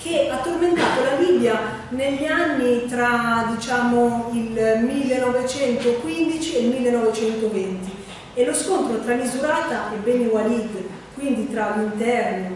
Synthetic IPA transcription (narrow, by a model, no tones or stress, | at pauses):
k̟eat̪ːorment̪aːt̪olabibːja | neʎːanːit̪ɾad̪it͡ʃaːmoilmilːenɔvet͡ʃɛnt̪okwind̪it͡ʃielmilːenɔvet͡ʃɛnt̪ovɛnt̪i | eloskont̪ɾot̪ɾalizuɾaːt̪aɛbːɛniɡwaliːke | kwind̪it̪ɾalint̪ɛrno